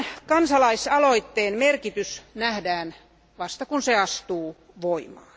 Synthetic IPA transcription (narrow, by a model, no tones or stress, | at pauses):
kɑnsɑlɑisɑloit̪ːeːnmerkit̪ysnæhdæːn | ʋɑst̪ɑkunseɑst̪uː | ʋoimɑ̰ː